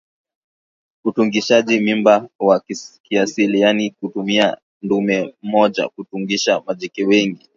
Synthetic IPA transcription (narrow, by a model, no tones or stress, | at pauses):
utuŋɡiʃaʄimimbawakiasilijanikutumia | ndumɛmɔʄa̰kutuŋɡiʃamaʄikɛwɛŋɡi